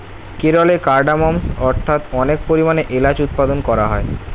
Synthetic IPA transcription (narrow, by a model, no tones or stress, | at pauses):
keɾolekaɾɖamɔmsɔɾt̪ʰat̪ɔnek̚poɾimaneʔelad͡ʑut̪̚pad̪onkɔɾaɦɔe